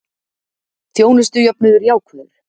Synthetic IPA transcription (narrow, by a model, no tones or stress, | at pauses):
θjoːwnʏst̪ʏjœpnʏðʏɾjaːwkʰvɛɾ̥